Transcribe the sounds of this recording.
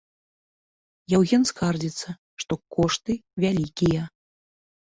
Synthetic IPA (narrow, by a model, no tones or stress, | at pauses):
jawɣʲɛnskard͡zʲit̪sːɐ | ʂt̪ɔkɔʂt̪ɨvʲalʲikʲijɐ